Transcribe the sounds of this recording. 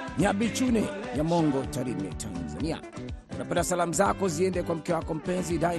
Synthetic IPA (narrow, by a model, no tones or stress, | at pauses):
niaɓit͡ʃunɛjamɔŋɡɔtaɾimɛ̰tʰa̰nza̰nia̰wa̰napɛndasalamuzakɔziɛndɛkwam̩kɛwakɔm̩pɛnzida